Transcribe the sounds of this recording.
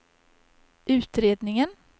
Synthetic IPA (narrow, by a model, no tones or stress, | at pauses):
ʔʉ̟ːt̪ɾeːd̪nɪŋən